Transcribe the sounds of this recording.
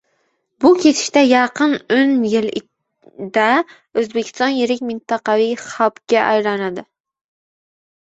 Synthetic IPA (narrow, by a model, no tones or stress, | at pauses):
bukʲʰet̪ʰɪ̥ʃt̪ɛjɑqənønjɪlɪ | d̪ɛ | øzbɪkʲʰi̥st̪ɑnjeɾɪkʲmɪnt̪ɑqɑviχɑpkʲɛʔɑjɾɑnɨd̪ɪ